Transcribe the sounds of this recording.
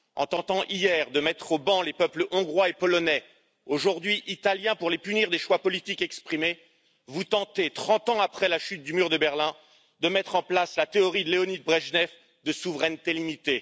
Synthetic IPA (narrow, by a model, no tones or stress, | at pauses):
ɑ̰̃t̪ɑ̃t̪ɑ̃ʔijɛʁd̪əmɛt̪χobɑ̃lepœpləʔɔ̃ɡʁwaepɔlɔnɛ | oʒuʁd̪ɥiʔit̪aljɛ̃puʁlepyniʁd̪eʃwapɔlit̪ikɛkspχime | vut̪ɑ̃t̪et̪χɑ̃t̪ɑ̃apχɛlaʃyt̪̚d̪ymyʁd̪əbɛʁlɛ̃ | d̪əmɛt̪χɑ̃plaslat̪eɔʁid̪əleɔnid̪̚bʁɛʒnɛf | d̪əsuvʁɛnt̪elimit̪e